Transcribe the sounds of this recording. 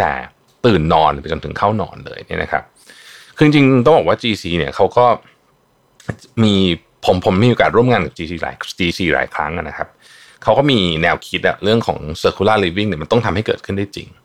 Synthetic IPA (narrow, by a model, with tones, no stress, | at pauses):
t̪ɛ̰ː˨˩ | t̪ɯː˨˩nːɔː˧npa˧jt͡ɕo˧nt̪ʰɯ̰˩˦ŋkʰa˥˩wnɔ̰ː˧nlɤ̰ː˧jni˥˩ɐnʔa̰˦kʰa̰˦˥p̚ | kʰɯː˧i˧ŋt͡ɕi˧ŋt̪ɔ˥˩ŋbɔː˨˩waː˥˩t͡ɕiː˧siː˧ni˥˩ɐkʰa˦˥wkɔː˥˩ | miː˧ | pʰo˩˦mpʰo˩˦mi˧o˨kaː˨˩t̪̚ɾu˥˩əŋaː˧nka˨˩p̚t͡ɕiː˧siː˧la̰ː˨˦jt͡ɕiː˧siː˧ɾa̰ː˨˩˦jkʰɾa̰˦˥ŋʔa˨˩na˦˥kʰa˦˥p̚ | kʰa˦˥wkɔː˥˩miː˧nɛː˧wkʰi˦˥t̪̚ʔa̰˨˩ɾɯ˥˩əŋkʰɔ̰ː˩˦ŋsɤː˧kʰuː˧˦laː˥˩liː˦˥p̬ːi˥˩ŋni˥˩ma˧nt̪ɔ˥˩ŋt̪ʰa˧mha˥˩jkɤː˨˩t̪̚ʰɯ˥˩ndaː˥˩jt͡ɕḭ˧ŋ